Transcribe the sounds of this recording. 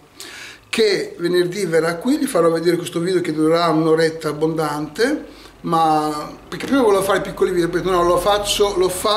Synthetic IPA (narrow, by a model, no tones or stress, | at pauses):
kevenerd̪iverːakːwiʎifaɾɔvːed̪eːɾekwest̪oviːd̪eoked̪uɾeɾaunoɾɛt̪ːaːbːond̪ant̪e | mapeɾk̟epːɾimavɔleofaːɾepikːolivid̪oɾipɛːt̪inɔlofat͡ʃːolofa